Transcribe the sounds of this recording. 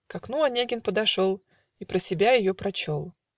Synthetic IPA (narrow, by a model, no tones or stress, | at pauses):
kɐknuɐnʲeɡʲɪnpəd̪ɐʂo̞lˠ | ipɾəsʲɪbʲajɪjopɾɐt͡ɕo̞lˠ